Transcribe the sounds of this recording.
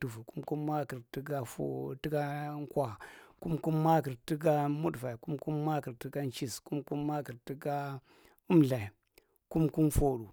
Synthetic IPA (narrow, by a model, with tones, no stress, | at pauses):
tu˨vu˨ku˦mku˦mːa˦ki˨ɾti˦ɡa˦fo̰˦˨ti˦ɡa˦ŋ˦kwa˨ku˦mku˦mːa˦ki˨ɾti˦ɡa˦mu˦dva˨i˨ku˦mku˦mːa˦ki˨ɾti˦ɡa˦n˦t͡ʃi˦sku˦mku˦mːa˦ki˨ɾti˦ɡa˦ | u˦mɮa˨i˨ | ku˦mku˦mfo˨ɗu˨